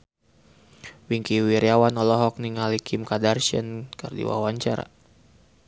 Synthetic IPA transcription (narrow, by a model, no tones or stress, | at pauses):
wiŋkiwiɾiawanɔlɔɦɔk̚niŋalikʰimkadarʃə̰nkərdḭwa̰waɲt͡ʃaɾa̰